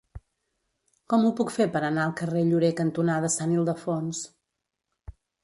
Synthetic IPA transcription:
kɔmupukfepəɾənaəlˠkəreʎuɾekənt̪unaðəsanilˠd̪əfons

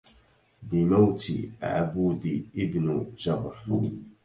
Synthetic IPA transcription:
bɪmawt̪ḭʔa̰ʕabuːd̪iʔɪbnd͡ʒabɾ

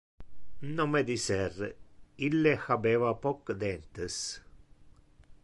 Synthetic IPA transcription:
nomed̪isɛrilːexabeːvapɔkːd̪ɛnt̪əs

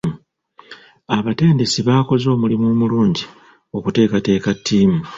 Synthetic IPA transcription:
aβate̞ːnde̞siβaːko̞zo̞ːmulimumuluːɲɟi | okute̞ːkate̞ːkatʰːiːmu

